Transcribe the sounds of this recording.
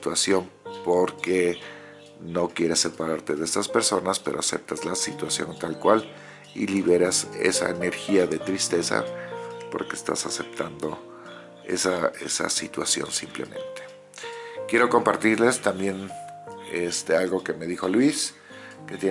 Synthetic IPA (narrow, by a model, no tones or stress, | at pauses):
t̪wasjo̞npo̞ɾke̞ | no̞kje̞ɾe̞sːe̞paɾaɾt̪eðeest̪aspe̞ɾso̞naspe̞ɾʔo̞ase̞̰p̚t̪azlasit̪wasjo̞̰nt̪alkwal | ḭliβe̞ɾase̞̰sa̰ene̞ɾxiaðe̞t̪ɾist̪e̞sa̰po̞̰ɾkeːst̪a̰sase̞p̚t̪and̪o̞ | e̞̰sae̞̰sa̰sit̪wasjo̞̰nsimple̞̰mʔẽ̞̰nt̪e | kje̞ɾo̞ko̞mpaɾt̪iɾle̞st̪ambje̞n | est̪ealɣo̞ke̞me̞ðixo̞lwis | ke̞t̪je